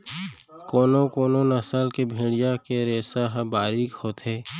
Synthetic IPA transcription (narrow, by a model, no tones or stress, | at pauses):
koːnokoːnonəsalkebʱeːɽijakeɾeːsaɦbaːɾikhoːt̪ɦɛː